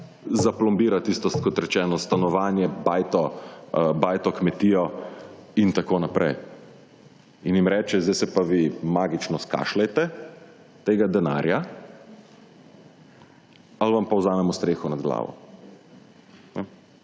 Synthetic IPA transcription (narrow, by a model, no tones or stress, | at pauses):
zaplɔmbiːɾat̪iːst̪ɔst̪kɔt̪ɾɛt͡ʃɛːnɔst̪anɔʋaːnjɛbajt̪ɔ | baːjt̪ɔkmɛt̪iːjɔ | int̪akoːnapɾɛ̰j | injimɾɛːt͡ʃɛzd̪ɛsɛpaʋimaːɡit͡ʃnɔska̰ʃlɛjt̪ɛ | t̪eːɡad̪ɛna̰ːɾja | alʋampawzaːmɛmɔst̪ɾeːxɔnad̪ɡla̰ːʋɔ̰ | nɛ